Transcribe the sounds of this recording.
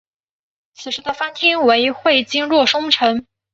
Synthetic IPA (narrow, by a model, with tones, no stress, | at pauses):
t͡sʰɹ̩˨˩ʂɻ̩˧˥d̪ə˧fa˥nt̪ʰi˥nwe˧˥ɪxwe˥˩ɪt͡ɕi˥nɻwɔ˥˩ʂʊ˥ŋʈ͡ʂʰɤ˧˥ŋ